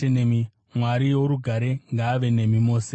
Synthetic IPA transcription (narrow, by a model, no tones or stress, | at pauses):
enemi | mwaɾiwoɾuɡʱaɾe̞ŋɡaːʋe̞ne̞mimo̞ːse